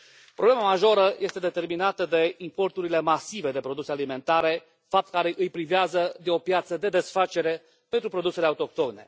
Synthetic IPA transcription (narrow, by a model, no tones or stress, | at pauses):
pɾoble̞mamaʒo̞ɾəjʔe̞st̪e̞d̪et̪e̞rminat̪əd̪e̞impo̞rt̪uɾile̞masive̞d̪e̞pɾo̞d̪usealime̞nt̪aɾe̞ | fap̚t̪̚kaɾeʔɨjpɾiveazəd̪e̞o̞pjat̪səd̪e̞d̪e̞sfat͡ʃe̞ɾe̞ | pe̞nt̪ɾupɾo̞d̪use̞le̞aut̪o̞k̚t̪o̞ne̞̰